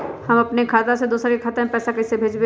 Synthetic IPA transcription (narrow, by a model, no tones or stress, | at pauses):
hɐmɐpnekʰaːt̪ased̪uːsɾkekʰaːt̪ãẽpɛːsakɐsebʱeːd͡ʒbe